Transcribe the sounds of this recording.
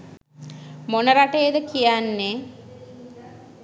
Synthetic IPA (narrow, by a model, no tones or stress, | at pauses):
monəɾaʈejəd̪əkijanːe